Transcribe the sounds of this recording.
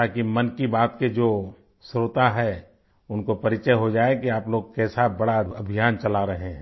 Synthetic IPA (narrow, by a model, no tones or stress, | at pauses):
akimɐnkibaːt̪ked͡ʒoː | sɾoːt̪aɦɛ | ʊnkopɐɾɪt͡ʃəɦod͡ʒaːekiaːploːɡkɛsabɐɽaɐbʱijaːnt͡ʃɐlaɾɐɦẽɦɛ̃